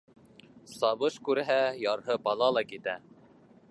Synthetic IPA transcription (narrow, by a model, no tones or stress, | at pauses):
sɑβɤʃkʉɾɦæjɑɾɦɤbɑlˠɑlˠɑkit̪æ